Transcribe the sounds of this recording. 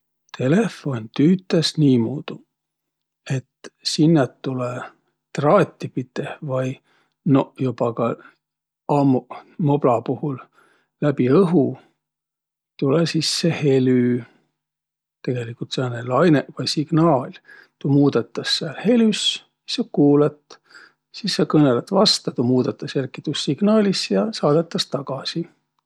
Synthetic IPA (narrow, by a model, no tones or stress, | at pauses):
t̪ʰe̞le̞fo̞nt̪yːt̪ːˑesniːmuːd̪̥u | e̞t̪sinːet̪ːule | t̪rɑːt̪ʲːipit̪evɑj | nojubɑkɑ | ɑmumoblɑpuhul | læb̥iɤɦu | t̪ulesisːehe̞ly | t̪e̞ɡ̥e̞likːˑult̪senelɑjnevɑjsiɡ̥nɑːlʲ | t̪umuːd̪̥et̪ːˑɑsːɑlhe̞lys | jɑsɑkuːlɑt̪ˑː | sisːɑkɤnelet̪ːvɑst̪ɑt̪umuːd̪̥et̪ːˑɑserkːit̪usːiɡ̥nɑːlʲisjɑsɑːd̪̥et̪ːˑɑst̪ɑɡ̥ɑsi